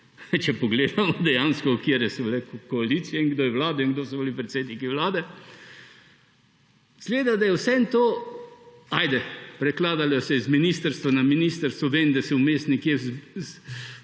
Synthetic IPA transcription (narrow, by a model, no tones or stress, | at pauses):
t͡ʃɛpɔɡleːd̪amɔd̪ɛjaːnskɔkiːɾjɛsɔblɛkɔalit̪siɛiŋɡd̪oːjɛwlaːd̪ɔiŋɡd̪oːsɔblipɾɛt̪seːd̪nikiʋlaːd̪ɛ | z̥ɡleːd̪ad̪ajɛwsɛɛnt̪oː | aːjd̪ɛpɾɛklaːd̪aljɔsɛizminist̪əɾst̪ʋanaminiːst̪əɾst̪ʋɔʋeːnd̪asɛʊmeːst̪nikjɛzz